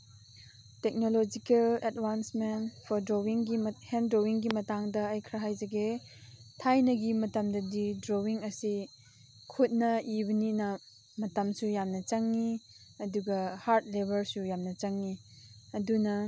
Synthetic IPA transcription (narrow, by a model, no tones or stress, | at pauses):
tek̚nolod͡ʒikeletwansmenpʰɔɾdɾowiŋɡihendɾowiŋɡimɐtaŋdɐːjkʰɾɐɦajd͡ʒɐɡe | tʰajnɐɡimɐtɐmdɐdidɾowiŋɐsi | kʰut̚nɐibɐninɐ | mɐtɐmsujamnɐt͡ʃɐŋːi | ɐduɡɐhaɾt̚lebɐɾsujamnɐt͡ʃɐŋːi | ɐdunɐ